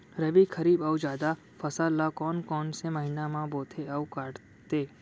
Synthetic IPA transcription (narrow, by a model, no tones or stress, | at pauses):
ɾəbikʰəɾiːbəud͡ʒaːd̪a | fəsalːakɔːnkɔːnseməɦinamãboːt̪ʰeəukaːɽ | t̪eː